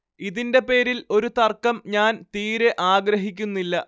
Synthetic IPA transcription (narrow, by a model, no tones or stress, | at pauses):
iðinde̞pe̞ːɾilo̞ɾut̪ɐrkːɐmɲaːnt̪iːɾe̞ʔaːɡɾɐɦikʲːunːilːɐ